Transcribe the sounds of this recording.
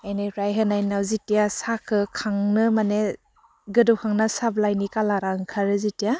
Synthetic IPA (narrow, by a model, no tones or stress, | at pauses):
ajnajɾajɦɯnajnawzitijasakʰɯkʰaŋnɯmane | ɡɯdɔwkʰaŋnasablajnikalaɾaŋkʰaɾɯzitija